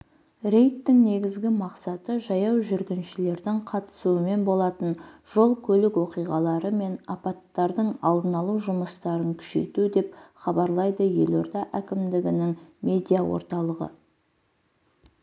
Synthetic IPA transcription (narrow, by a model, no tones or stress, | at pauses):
ɾe̞jt̪ːɪŋne̞ɡʲɪzɡʲɪmɑqsɑt̪əʒɑjɑwʒʏɾɡʲɪnʃɪle̞ɾd̪ɪŋqʰɑt̪ə̥suəme̞nbo̞lˠɑt̪ənʒ̥o̞lˠkʲʰɵlɪkwo̞qijʁɑlˠɑɾəme̞nɑpɑt̪ːɑɾd̪əɴɑ̰lˠd̪ənɑlˠuʒʊməst̪ɑɾəŋkʲʰʏ̥ʃḛjt̪ud̪e̞pχɑbɑɾlˠɑjd̪əje̞̰lo̞ɾt̪ɑʔækʲɪmd̪ɪɡʲɪnɪŋme̞d̪ʲijawo̰ɾt̪ɑlˠəʁə̰